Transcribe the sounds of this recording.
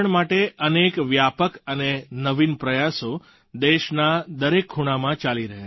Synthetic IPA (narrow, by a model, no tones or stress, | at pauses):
ɳmaʈeʔənekʋjapəkənenəʋinpɾəjaso | d̪eʃnad̪əɾekʰːuɽ̃amãt͡ʃaliɾəɦe